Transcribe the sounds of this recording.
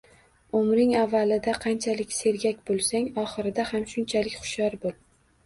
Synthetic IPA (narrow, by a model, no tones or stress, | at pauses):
ʊmɾɪŋavːalɪd̪aqʰɑnt͡ʃʰalɪkʲse̞ɾɡʲakʲbolˠsaŋɒχɨɾɪd̪ahamʃʊnt͡ʃʰalɪkʲχʊ̥ʃjɒɾbol